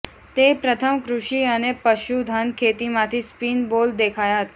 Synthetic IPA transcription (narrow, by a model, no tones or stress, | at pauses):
t̪epɾət̪ʰəmkɾuʂiənepəɕud̪ʱənkʰet̪imat̪ʰiːspiːnbold̪ekʰajat̪̚